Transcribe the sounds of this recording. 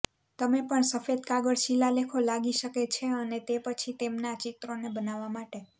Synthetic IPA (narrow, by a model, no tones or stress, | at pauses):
t̪əmepəɳsəfed̪kaɡəɭʃilalekʰolaɡiʃəket͡ʃʰeənet̪epət͡ʃʰit̪emnat͡ʃɪt̪ɾonebənaʋamaʈe